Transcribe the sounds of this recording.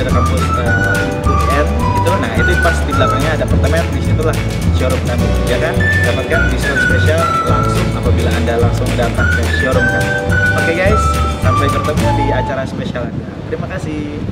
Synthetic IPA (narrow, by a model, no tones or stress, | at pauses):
ɾakapi | ə | ukɛt̪̚ɡit̪ulana̰hit̪upasdiblaɡalɲaːdapərt̪əmɛt̪̚bisit̪ulah | sioɾʊmkabud͡ʒakandapat̪̚kandisɔɾspesial | laŋsʊŋapabilaːndalaŋsʊŋdat̪at̪̚jasiɔɾʊmapakɛɡajsːampajpərt̪əmudiat͡ʃaɾaspesialadat̪əɾimakasɪh